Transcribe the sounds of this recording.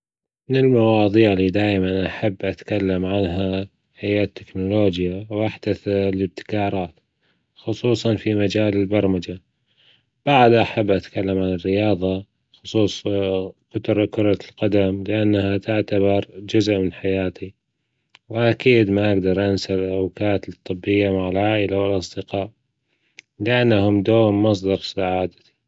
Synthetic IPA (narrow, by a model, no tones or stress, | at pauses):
mɪnɪlmawɑːðˤiːʕliːd̪aːjmanʔaħabːʔat̪kalːamʕanɦa | hɪjaːt̪ʰːɪknʊloːd͡ʒjawʔaħd̪̥aθlɪb̚t̪ɪ̥kɑːɾˤɑːt̪ | xʊsˤuːsˤɑnfimad͡ʒaːlɪlbɑɾˤmad͡ʒa | b̥aʕd̪ʔaħabːʔat̪kalːamʕanɪrːɪjɑːðˤɑ | xʊsˤuːsˤkʊt̪ɾˤɑkʊɾˤɑlqad̪amlɪʔanːahat̪ɪʕt̪abɑɾˤd͡ʒʊzʔmɪnħajaːt̪i | wɪʔakiːd̪maʔɪɡd̪ɑɾˤʔansalʔawkaːt̪ɨt̪ˤːɨbːɪjːamaʕalʕaːʔɪlawɪlʔɑsˤd̪ɪqɑːʔ | lɪʔanːahʊmd̪oːmmɑs̬ˤd̪ɑɾˤsaʕaːd̪ḁt̪i